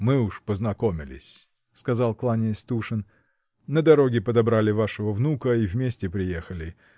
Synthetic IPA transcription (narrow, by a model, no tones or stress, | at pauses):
mɨʊʂpəznɐko̞mʲɪ̰lʲɪ̰sʲ | skɐzalˠklˠanʲɪst̪uʂɨn | nəd̪ɐɾo̞ɡʲɪpəd̪ɐbɾalʲɪvaʂɨvəvnukəivmʲesʲtʲɪpɾʲɪjexəlʲɪ